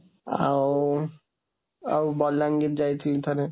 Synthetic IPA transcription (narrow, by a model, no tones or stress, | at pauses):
a̰w | a̰wbɔlːaŋɡit̪̚d͡ʑajt͡ɕʰit̪ʰaɾe